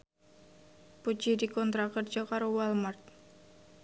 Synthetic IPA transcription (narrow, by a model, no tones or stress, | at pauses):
pud͡ʒidikɔnt̪ɾakərd͡ʒakaɾuwalmart̪̚